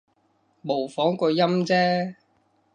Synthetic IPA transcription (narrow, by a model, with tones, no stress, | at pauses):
mo˨˩wfɔː˨˥ŋkɔː˧jɐ˥mt͡sɛː˥